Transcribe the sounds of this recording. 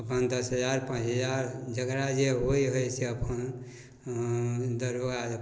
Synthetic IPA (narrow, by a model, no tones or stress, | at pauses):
əpʰənd̪əsɦəd͡ʒaɾpãt͡ʃɦəd͡ʒaɾd͡ʒəkɾad͡ʒeɦojɦəjseəpʰən | d̪əɾoɡaə